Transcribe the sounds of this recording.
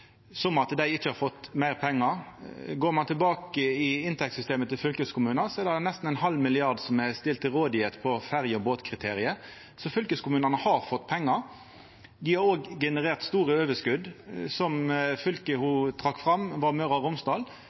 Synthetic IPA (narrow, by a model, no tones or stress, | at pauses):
sɔmɑt̪d̪æɪɪt͡ʃːəhɑɾfɔt̪ːmæɪʁpʰɛŋːɑɾɡoːɾmɑnt̪ʰɪlbɑːkəɪɪnt̪ʰɛk̚t̪sʏst̪eːmət̪ʰːɪlfʏlkəskʰʊmʉːnɑsɔɛɾd̪ɛd̪nɛst̪n̩æɪnɦɑlːmɪlɪɑʁd̪sɔmæst̪ɪlt̪ʰːɪlɾoːd̪ɪet̪pʰɔfæɾjəɔboːt̪kʰʁɪt̪ʰeːɾɪə | sɔfʏlkəskʰʊmʉːnɑnəhɑɾfɔt̪ːpʰɛŋːɑɾ | d̪ɪhɑɾoːɡɡɛnəʁeːʁt̪st̪uːɾəøːʋəʂkʉd̪sɔmfʏlkəhut̪ʰʁɑkːfʁɑmʋɑʁmœɾɑʁʊmsd̪ɑːl